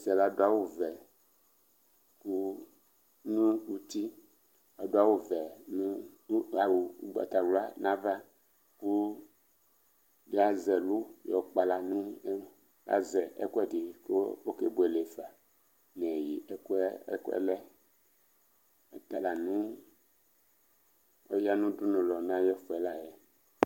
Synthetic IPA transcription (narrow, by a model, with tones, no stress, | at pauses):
i˦sɛ˨la˦do˦a˦wo˦vɛ˨ | ku˦ | nũ˦ku˦t̪i˦ | a˨do˦a˦wo˦vɛ˨nũ˦a˨wu˨u˦ɡ͡ba̰˨t̪a˨wu˨la˦nã˦va˦ | ku˦ | de˦a˦zɛ˨lo˦jɔ˨k͡pa˨la˨nũ˦ | la̰˦zɛ˨ʔɛ̰˦ku˦ɛ˦di˨ko˦o˦ke˨bo˨˦ɛ˨le˨fa˨ | nɛ̃˨ji˨ʔkkɛ̰˦lɛ˦˨ | t̪a˨la˨nũ˦ | o˦ja˦nũ˦du˦nũ˨lɔ˨nã˦jɛ˦fɛ˨la˦jɛ˨